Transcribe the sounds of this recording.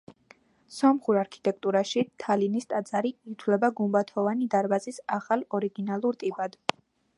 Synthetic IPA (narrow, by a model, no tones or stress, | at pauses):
sɔmχuɾaɾkʰi̥t̪ʼɛk̚t̪ʼuɾaʃit̪ʰalinist̪ʼad̪zaɾiːt̪ʰwlɛbaɡumbat̪ʰɔvanid̪aɾbazisaχalˠɔɾiɡinalˠuɾt̪ʼibad̪